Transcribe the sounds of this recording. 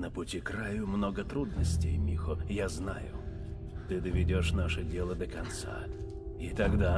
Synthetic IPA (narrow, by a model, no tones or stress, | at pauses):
nəpʊtʲikɾajʊmnoɡət̪ɾud̪nəsʲtʲejmʲixʊjazna̰jʊ̰ | t̪ɨd̪əvʲɪdʲoʂnaʂədʲelˠəd̪əkɐnt̪sa̰ | it̪ɐɡd̪a